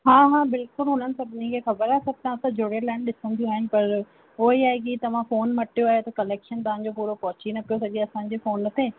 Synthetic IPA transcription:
ɦãːɦãːbɪlkʊlɦʊn̤ənɪ̆sɐbʱnikʰexɐbəɾaːsɐb̚ʱt̪ãsãd͡ʑʱʊɽelaːɪɽ̃ɗɪsə̃nd̪ʱijũaːɦɪnɪ̆pɐɾ | oːiaːɦek̬it̪ɐʋ̤ãfoːnmɐʈʰijoaːɦet̪ɐkɐleːkʃənt̪ɐʋ̤ãːɲ̆d͡ʑopuːɾopɐɦʊt͡ɕinɐpijosɐɠeɐsãːɲ̆d͡ʑeːfoːnːɐt̪ʰeː

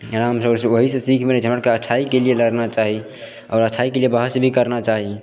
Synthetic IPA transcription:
ɾamsəbɾseoɦisesikʰmenɛd͡ʒʱɦəməɽkeət͡ʃʰaikelieləɾnat͡ʃaɦi | ɔːɾət͡ʃʰaikeliebəɦəsebʱikəɾnat͡ʃaɦi

